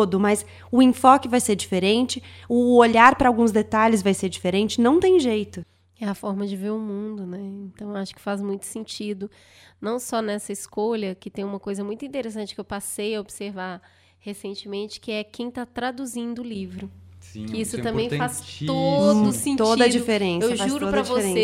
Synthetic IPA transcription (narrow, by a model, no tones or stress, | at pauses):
od̪ʊmɐs | ʊĩfɔkɪvajseɾd͡ʒifeɾẽnt͡ʃɪʊoʎaɾpɾɐawɡũzd̪et̪aʎɪzvajseɾd͡ʒifeɾẽnt͡ʃɪ̥nɐ̃w̃t̪ẽj̃ʒejt̪ʊ | ɛɐfɔɾmɐd͡ʒɪveɾʊmũd̪ʊnɛẽnt̪ɐ̃w̃aʃʊ̥kɪ̥fazmũj̃t̪ʊ̥sẽnt͡ʃid̪ʊ | nɐ̃w̃sɔnɛsɐɪskoʎɐkɪt̪ẽj̃ũmɐkojzɐmũj̃t̪ʊĩnt̪eɾesɐ̃nt͡ʃɪ̥kɪewpasejɐobiseɾva | hesẽnt͡ʃɪmẽnt͡ʃɪ̥kɪɛkẽj̃t̪at̪ɾad̪uzĩnd̪ʊːlivɾʊsĩkɪisʊɐ̃mẽj̃ffast̪od̪ʊsẽt̪odiɐd͡ʒifeɾẽsewɐʒfauɾʊopɾɐvosɾẽe